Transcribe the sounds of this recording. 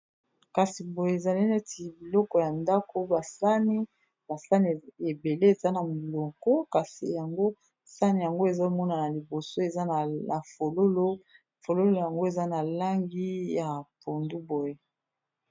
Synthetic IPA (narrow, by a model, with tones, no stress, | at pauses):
ka˨si˨bo˨je˦e˨za˨li˦ne˦ti˨bi˨lɔ˦kɔ˨ja˨nda˦ko˦ba˨sa˦ni˦ | ba˨sa˦ne˨be˨le˦e˨za˦na˨mo˨lɔ˨kɔ˦ka˨sḭ˨ja˨ŋɡo˦ | sa˦ni˨ja˨ŋɡo˦e˨za˦˨mɔ˦na˨na˨li˨bo˨so˦e˨za˦˨na˨fo˨lo˦lo˦ | fo˨lo˦lo˦ja˨ŋɡo˦e˨za˦na˨la˦ŋɡi˦ja˨po˨ndu˦bo˨je˦